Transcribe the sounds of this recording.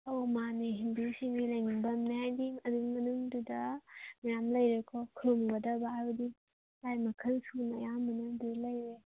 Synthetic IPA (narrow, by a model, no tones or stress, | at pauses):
owmaneɦindusiŋɡilɐjninbɐmneɦajdiɐdukmɐnuŋdudɐmijamlɐjɾekʰɔkʰɾomɡɐdɐbaajbɐdi | lajmɐkʰɐlsuknɐjamɐnɐdulɐjɾe